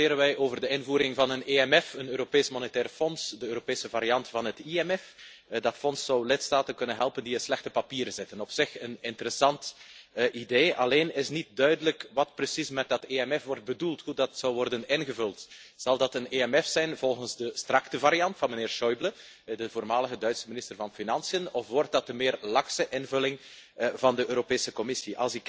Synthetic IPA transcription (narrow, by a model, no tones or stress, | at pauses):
ɪːɾənʋɛjoːvərdəɪnvuːɾɪŋvɑnəneːɛmɛfənøːɾopeːsmɔnetɛːrfɔnsdəøːɾopeːsəvaɾiɑntfɑnɦətiɛmɛf | dɑtfɔnsːɔwlɪtstaːtənkɵnənɦɛlˠpəndiəslɛxtəpapiːɾəzɪtənɔpsɪxənɪntəɾəsɑntʔideːʔɑ̰leːnɪsnit̚dœɥdələkʋɑt̚prəsismɛt̚dɑteɛmɛfʋɔrt̚bədulˠtɦudɑtsɔwʋɔrdənɪnɣəvɵlˠtz̥ɑlˠdɑtəneɛmɛfsɛjnvɔlˠɣənzdəstrɑktəvaɾiɑntfɑnməneːrʃɔjblə | dəvoːrmaːləɣədœɥtsəminɪstərvɑnfinɑnsijənɔfʋɔrt̚dɑt̚dəmɪːrlɑksəʔɪnvɵlɪŋ | vɑndəʔøːɾopeːsəkɔmɪsiʔɑ̰lˠsɪk